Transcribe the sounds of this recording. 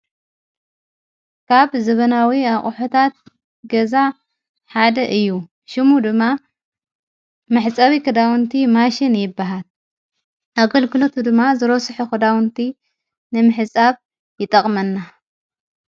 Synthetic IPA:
kʰaβzɐβɐnawiaχʼħot̪ʰat̪̚ | ɡɐza | ħad̪ɐʔɨjːu | ʃɨmud̪ɨmːa | mɨħɨt͡sʼaβikʰɨd̪awnt̪ʰimaʃɪnjɪbːaɦal | ʔaɡɐlɡɨlo̞t̪ʰud̪ɨmːazɨɾosɨħukɨd̪awnt̪ʰi | nɨmɨħɨt͡sʼaβ | jɪt̪ʼɐχʼmɐnːa

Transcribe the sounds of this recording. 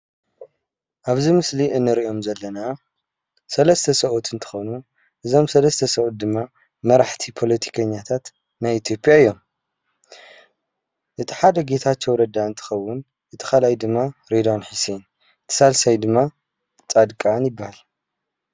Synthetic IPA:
ʔaβzimɨsliʔɨnːɨɾiʔo̞mzɐlːɐna | sɐlɐst̪ʰɐsɐʔut̪ʰɨnt̪ʰɨ̥xonu | ʔɨzo̞msɐlɐst̪ʰɐsɐʔut̪̚d̪ɨmːa | mɐɾaħt̪ʰipʰo̞lɐt̪ʰi̥kʰɐɲːat̪ʰat̪ | najit̪ʰjo̞pʼjaɨjːo̞m | ʔɨt̪ʰi̥ħad̪ɐɡe̞t̪ʰat͡ʃːowɾɐd̪aɨnt̪ʰɨ̥xɐwːʊn | ʔɨt̪ʰi̥xalajd̪ɨmːaɾed̪onħisen | ɨt̪ʰi̥salsajd̪ɨmːa | t͡sʼad̪kʼanjɪbːahal

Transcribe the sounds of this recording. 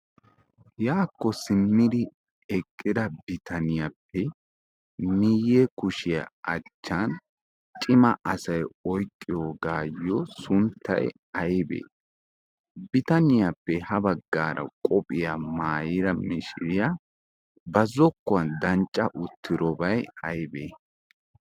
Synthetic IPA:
jaːkːɔsɪmːɪd̪ɪ | ɛkʼːɪd̪ɐbɪt̪ʰɐnɪjɐpʰːɛ | mɪjːɛkʊʃɪjɐ̰ɐt͡ʃːan | t͡ʃʼɪmɐʔɐsɐjɔjkʼːɪjoːɡaːjːɔsʊnt̪ʰːɐ̰j | ɐjbḛː | bɪt̪ɐnɪjapːɛhɐbɐɡːaːɾɐ̰kʼɔpʼɪjamaːjɪɾɐmɪʃɪɾɪjɐ | bɐzɔkːɔɐnd̪ɐnt͡ʃʼːɐʔʊt̪ʰːɪɾɔbɐjɐjbḛː

